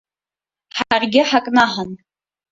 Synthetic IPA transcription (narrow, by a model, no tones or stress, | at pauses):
ħaarɡʲɪħakʼnaħan